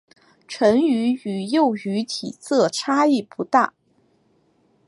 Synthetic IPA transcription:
ʈ͡ʂʰə˧˥ŋy˧˥y˨˩jo˥˩ʊy˧˥t̪ʰi˨˩t͡sɤ˥˩ʈ͡ʂʰa˥i˥˩pu˧˥t̪a˥˩

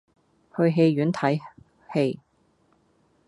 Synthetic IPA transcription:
hɵ˧ɥɦe˧jɥyː˨˥nt̪ʰɐ˨˥j | he˧j

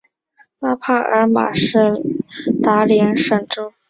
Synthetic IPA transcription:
pa˥pʰa˥˩ə̰˞˧˥ma̰˨˩ʂɻ̩˥˩t̪a˧˥ljɛ˧˥nʂə˥˩ŋʈ͡ʂo˥

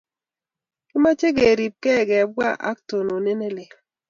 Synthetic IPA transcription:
kɪ˦ma˦t͡ʃe˦ɡe˨ɾi˨p̚kɛ˦˨ɡɛ˨b̚wa˦˨ʔa̰˦k̚to˨no˨ne˦ne˦le˨

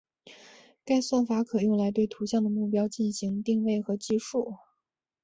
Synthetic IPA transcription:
ka˥˧ɪswa˥˩nfa˧˥kʰɤ˨˩jʊ˥˩ŋla˧˥ɪt̪we˥˩ɪt̪ʰu˧˥ɕjɑ˥˩ŋd̪ə˩mu˥˩pjɑ˥ʊt͡ɕi˥˩nɕi˧˥ŋt̪i˥˧ŋwe˥˩ɪxɤ˧˥t͡ɕi˥˧ʂu˥˩

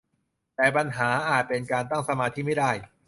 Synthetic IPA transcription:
t̪ɛː˨˩pa˧nɦaː˩˦ʔaː˨˩t̪̚pe˧nkaː˧nt̪a˥˩ŋsa˧maː˧t̪ʰiː˥˩ma˥˩jda˥˩j

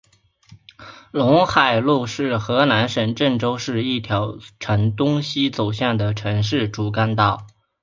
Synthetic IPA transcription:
lʊ˧˥ŋxa˨˩ɪlu˥˧ʂɻ̩˥˩xɤ˧˥na˧˥nʂə˨˩nʈ͡ʂə˥˩ŋʈ͡ʂo˥ʊʂɻ̩˥˧i˥˩t̪ʰjɑ˧˥ʊʈ͡ʂʰə˧˥nt̪ʊ˥ŋɕi˥t͡so˨˩ʊɕjɑ˥˩nd̪ə˩ʈ͡ʂʰɤ˧˥ŋʂɻ̩˥˩ʈ͡ʂu˧˥ka˥nt̪ɑ˥˩ʊ

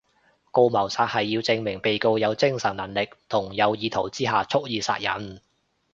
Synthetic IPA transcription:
ko˧wmɐ˨˩wsaː˧t̚hɐ˨jːiː˧wt͡sɪ˧ŋmɪ˨˩ŋpe˨jko˧wjɐ˨˧wt͡sɪ˥ŋsɐ˨˩nnɐ˨˩nlɪ˨k̚t̪ʰʊ˨˩ŋjɐ˨˧wjiː˨˧t̪ʰo˨˩wt͡siː˥ɦaː˨t͡sʰʊ˥k̚jiː˨sa̰ː˧˥t̚jɐ˨˥n

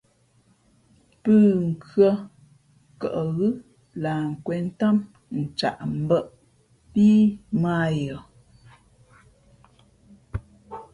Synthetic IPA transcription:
pɨː˦˨ŋ̩˨kɰə˦ | kə˨ʔɣɨ˦ | la˨ŋ̩˨kwɛ˨n̩˦ta˦m | n̩˨t͡ʃa̰˨ʔm̩˦bə˦ʔ | piː˦ma˦˨jɔ˨

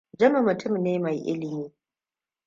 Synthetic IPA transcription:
d͡ʒɐ˦ma˨mʊ˨tʊ˦mneː˦ma˨jʔɪ̰˦lɪ˨miː˦

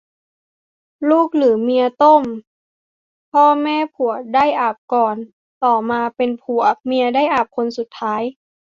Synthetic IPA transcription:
luː˥˩k̚lɯː˩˦mi˧ɐt̪o˥˩˨m | pʰɔː˧mɛː˧˨pʰu˨˩əda˥˩jʔaː˨˩p̚kɔː˨˩n | t̪ɔː˨˩maː˧pe˧npʰu˨˩ɐəmi˧ɐda˥˩jʔaː˨˩p̚kʰo˧nsu˨˩t̪ʰːaː˦˥j

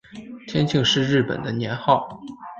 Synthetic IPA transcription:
t̪ʰjɛ˥nt͡ɕʰi˥˧ŋʂɻ̩˥˧ɻɻ̩˥˩pə̰˨˩nd̪ə˦njɛ˧˥nxɑ˥˩ʊ

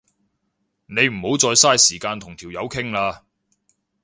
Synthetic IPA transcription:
ne˨˧jm̩˨˩ho˨˥wt͡sɔː˧jsaː˥jsiː˨˩kaː˧nt̪ʰʊ˨˩ŋt̪ʰiː˨˩wjɐ˨˧wkʰɪ˥ŋlaː˧

